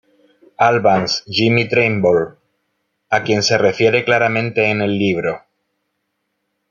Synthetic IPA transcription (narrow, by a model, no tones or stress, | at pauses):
alβansʝimit̪ɾejmbol | akje̞nse̞re̞fje̞ɾe̞klaɾamẽnt̪e̞ːne̞lːiβ̞ɾo̞